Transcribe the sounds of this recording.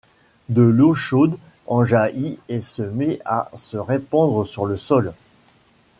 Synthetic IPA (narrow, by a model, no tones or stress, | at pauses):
d̪əloʃod̪ | ɑ̃ʒaʔiɛsəmea̰səʁepɑ̃d̪ʁəsyʁləsɔl